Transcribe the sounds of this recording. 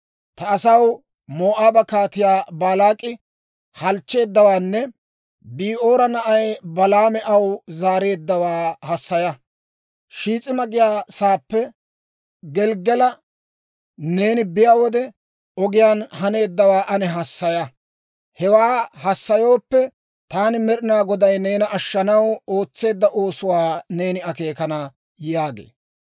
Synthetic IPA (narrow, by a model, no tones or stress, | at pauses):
t̪ɐːsɐw | mo̞ːʔaːbɐkaːt̪ɪjaːbaːlaːkʼːɪ | hɐlt͡ʃːe̞ːd̪ːɐwaːnːɛ | biːʔo̞ːɾɐnɐʔɐjbɐlaːmɛʔɐwzaːɾe̞ːd̪ːɐwaːhɐsːɐjɐ | ʃiːt͡sʼɪmɐɡɪjaːsaːpːɛ | ɡɛlɡɛlɐ | ne̞ːnɪbɪjaːwɔd̪ɛ | ɔɡɪjaːnhɐne̞ːd̪ːɐwaːʔɐnɛɦɐsːɐjɐ | hɛwaːhɐsːɐjo̞ːpːɛ | t̪aːnɪmɛɾɪnaːɡɔd̪ɐjne̞ːnɐʔɐʃːɐnɐwo̞ːt͡sːe̞ːd̪ːɐʔo̞ːsʊwaːne̞ːnɪɐke̞ːkɐnɐ | jaːɡḛː